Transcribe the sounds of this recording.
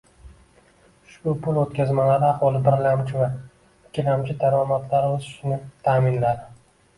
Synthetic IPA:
ʃʊpʰʊlot̪̚kʲazmalaɾɪaχwɒlˠɪbɪɾlamt͡ʃʰɪva | ɪkʲʰːɪlamt͡ʃʰɪd̪aɾɒmat̪ʰlaɾozɪʃnɪt̪ʰaːmɪnlad̪ɪ

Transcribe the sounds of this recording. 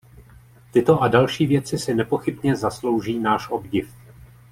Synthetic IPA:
t̪ɪt̪o̞ʔadalʃiːvjɛt͡sɪsɪnɛpo̞xɪbɲɛzaslo̞wʒiːnaːʃʔo̞bɟɪf

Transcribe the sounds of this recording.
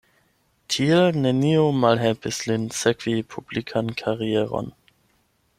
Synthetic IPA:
tʰielneniomalɦelpislinsekv̥ipʰublikʰankʰaʁieʁo̰n

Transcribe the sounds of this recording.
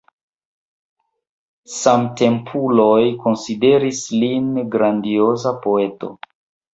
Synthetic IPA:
samte̞mpʰulo̞jko̞nside̞ɾislinɡɾandio̞zapo̞e̞to̰

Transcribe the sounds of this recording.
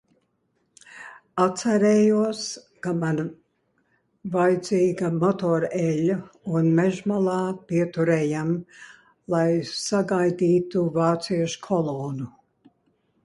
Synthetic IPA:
at̪sɛɾɛːjuɔs | kaman | vajd̪ziːɡamɔt̪ɔːɾɛʎʲːaunmɛʒmalˠɑːpiɛt̪uɾɛːjam | lˠajsaɡajd̪iːt̪uvaːt̪siɛʃkʰɔlˠɔːnu

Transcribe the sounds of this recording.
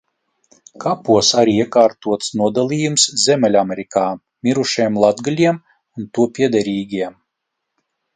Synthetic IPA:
kʰapuɔsaɾiiɛkaːɾt̪uɔt̪snuɔd̪alʲˠiːjumszʲɛmʲɛlʲamʲɛɾikaː | mʲiɾuʃiɛmlˠad̪ɡalʲiɛm | unt̪uɔpʲiɛd̪ɛɾiːɡʲiɛm

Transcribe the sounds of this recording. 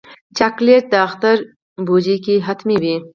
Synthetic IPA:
t͡ʃɐkliəʈ̚d̪aːxt̪əɾ | buːd͡ʑikiɦɐt̪ʰmibiː

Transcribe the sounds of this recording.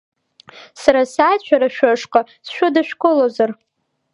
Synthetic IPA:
saɾasat͡ʃʷʰaɾaʃᶣʷaʂqʼa | sʃʷᶣʊdaʃᶣkʷʼolozar

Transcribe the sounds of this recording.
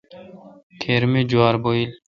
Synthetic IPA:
t̪ʰeɾmid͡ʒuaɾboil

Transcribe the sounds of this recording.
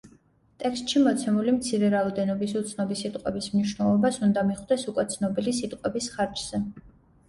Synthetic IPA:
t̪ʼɛkst̪ʼʃimɔt̪sʰɛmulimt̪sʰiɾɛɾaɔd̪ɛnɔbisut̪sʰnɔbisːit̪ʼqʼwɛbismniʃnɛlˠɔbasund̪amiχd̪ɛsukʼwɛt̪sʰnɔbilisit̪ʼqʼwɛbisχaɾt͡ʃz̥ɛ

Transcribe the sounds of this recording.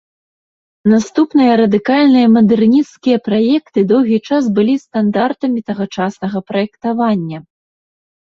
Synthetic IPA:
nast̪upnɨjɐɾɐd̪ɨkalʲnɨjɐmɐd̪ɛrnʲit̪skʲijɐpɾajɛkt̪ɨd̪ɔwɣʲit͡ʂas̬bɨlʲist̪and̪art̪ɐmʲit̪ɐɣɐt͡ʂasnɐɣɐpɾɐjɛkt̪avanʲːɐ

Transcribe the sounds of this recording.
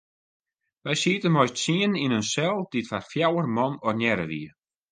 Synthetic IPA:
ʋɛjsiətənmɔjstsiəninənsɛlˠd̥itfarfjawərmɔnɔrnjɛɾə̰ʋḭə

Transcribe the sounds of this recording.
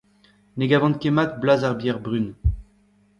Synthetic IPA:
neɡavɑ̃nt̪̚kemat̪̚blazaʁbjɛʁbʁyn

